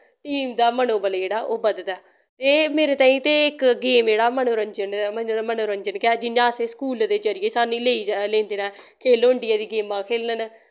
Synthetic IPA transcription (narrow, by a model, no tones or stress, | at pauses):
ʈiːmd̪aːmənõːbəld͡ʒeːɽaːʔoːbəd̪t̪ɛː | t̪eːmeːɾeːt̪ãːĩːt̪eːɪkɡeːmd͡ʒeːɽaːmənoːɾəɲd͡ʒənəmənoːɾəɲd͡ʒənkɪɛːd͡ʒɪnãːsẽskuːld̪eːd͡ʒəɾɪjeːsaːnĩːleːiːd͡ʒlẽːnd̪eːnɛ̃ː | kʰeːloːəɳɖɪjaːd̪iːɡeːmãːkʰeːlnən